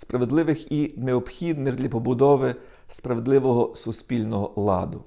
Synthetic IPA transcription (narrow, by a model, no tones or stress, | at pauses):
spɾɐʋed̪lˠɪʋɪxineɔpxʲid̪nɪxd̪lʲɐpɔbʊd̪ɔʋɪ | spɾɐʋed̪lˠɪʋɔɦɔsʊspʲilʲnɔɦɔlˠɑ̰d̪ʊ